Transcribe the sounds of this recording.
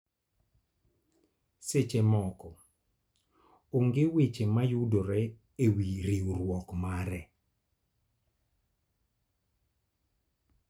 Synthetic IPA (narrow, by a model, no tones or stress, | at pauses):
set͡ʃemɔkɔ | oŋɡewet͡ʃemajudoɾɛ | ewiɾiuɾwɔkmaɾɛ